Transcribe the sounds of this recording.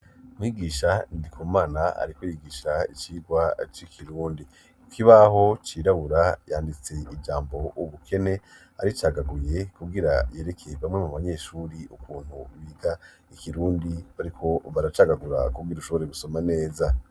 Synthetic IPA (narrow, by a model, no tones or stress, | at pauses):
mwiːɡiːʃaindikʰuːmaːnaa̰ɾikojiːɡiːʃaḭt͡ʃiːɡwat͡ʃikʰiɾuːndi | kʰiβaɦo̞t͡ʃiːɾaβuɾajaːndit͡se̞id͡ʒaːmbo̞ʔuβukʰe̞ne̞ | aɾit͡ʃaːɡaɡuje̞kuɡiɾa̰je̞ːɾe̞kʰe̞βamŋe̞muβaɲe̞ːʃuːɾiukuːn̥huβiɡa | ikiɾuːndiβaɾikʰo̞βaɾat͡ʃaːɡaɡuɾa̰kuɡiɾuʃoβoɾeɡuso̞mane̞ːza